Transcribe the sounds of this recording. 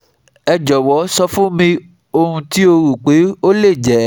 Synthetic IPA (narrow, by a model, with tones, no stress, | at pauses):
ɛ˧d͡ʒɔ˨wɔ˨˦sɔ˧fũ˦mĩ˧ | o˧hũ˧ti˦o˧ɾu˨k͡pe˨˦o˦le˦˨d͡ʒɛ˨˦